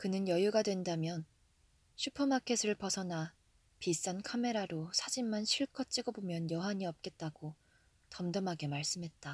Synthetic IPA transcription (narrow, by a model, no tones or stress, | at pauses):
kɯnɯnjʌjuɡadwe̞ndamjʌn | ɕʰupʰʌmakʰesʰɯɾɯɭpʌsʰʌna | pis͈ankʰame̞ɾaɾosʰad͡ʑimːanɕʰiɭkʰʌt͡ɕ͈iɡobomjʌnjʌɦaɲiʌp̚k͈e̞t̚t͈aɡ̥o | tʌmdʌmɦaɡe̞maɭs͈ɯmɦe̞t̚t͈a